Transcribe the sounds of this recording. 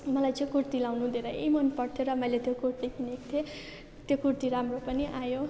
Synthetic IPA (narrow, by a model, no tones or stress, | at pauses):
mʌlajt͡sʌ̃ĩkurt̪ilawnud̪eɾʌḛjmʌnpʌɽt̪ʰjoɾʌmʌjlet̪jokurt̪ikinekt̪ʰe | t̪jokurt̪iɾamropʌniʔajo